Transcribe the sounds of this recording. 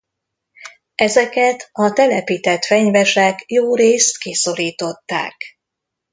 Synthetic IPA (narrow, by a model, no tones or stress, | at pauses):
ɛzɛkɛt̪ɒt̪ɛlɛpiːt̪ɛt̪fɛɲvɛʃɛkjoːɾeːst̪kiso̞ɾiːt̪o̞t̪ːa̰ːk